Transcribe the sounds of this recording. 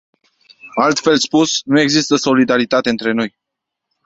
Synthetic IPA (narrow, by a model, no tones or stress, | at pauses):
alt̪fe̞lspusnue̞ɡzist̪əso̞lid̪aɾit̪at̪e̞ɨnt̪ɾe̞no̞j